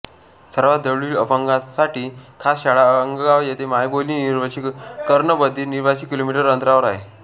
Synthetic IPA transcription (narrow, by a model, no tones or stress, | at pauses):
səɾʋat̪̚d̪əɭiːləpəŋɡasaʈiːkʰasɕaɭaəŋɡɡaʋjet̪ʰemajboliːniɾʋət͡ɕikkəɾɳəbəd̪ʱːiːniɾbʱaɕiːkilomiʈəɾənt̪ɾaʋəɾaɦe